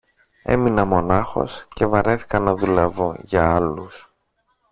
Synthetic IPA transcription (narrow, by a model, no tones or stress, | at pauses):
e̞̰minɐmo̞nɐxo̞̰sce̞vɐɾe̞θi̥kɐnːɐðulevoʝɐɐlus